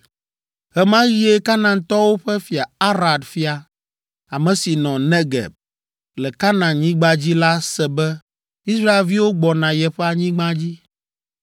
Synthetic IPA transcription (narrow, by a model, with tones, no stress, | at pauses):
ɦɛ˦mã˦ji˦e˦ka˦nã˨t̪ɔ˦wo˦ɸɛ˦fi˨a˨a˦ɾa˨d̪fi˦a˨ | a˨mɛ̃˨si˨nɔ̃˨nɛ˦ɡɛ̰˨b̚ | lɛ˨ka˦nã˨ɲĩ˦ɡ͡ba˦d͡ʑi˦la˦sɛ˨bɛ˦ | i˦sɾa˦e˨lvi˦wo˦ɡ͡bɔ˨nã˨jɛ˨ɸɛ˦a˨ɲĩ˦ɡ͡bã˦d͡ʑi˦